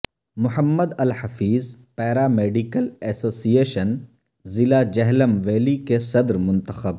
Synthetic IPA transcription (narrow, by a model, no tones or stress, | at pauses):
mʊɦəmːəd̪ɐlhɐfiːzpɛːɾameːɖikəlɛːsoːsieːʃən | zɪlad͡ʒɛɦləmʋeːlikesɐd̪ɾmʊ̃nt̪əxəb